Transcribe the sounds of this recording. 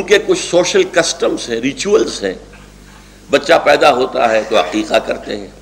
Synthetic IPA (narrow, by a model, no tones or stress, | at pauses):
ʊnkekʊt͡ʃʰsoːʃəlkɐsʈəmzɦɛ̃ɾɪt͡ʃuəlzɦɛ̰̃ː | bɐtːʃapɛːd̪aɦoːt̪a̰ɦɛt̪oːɦɐqiːqakɐɾt̪ḛɦɛ̃ː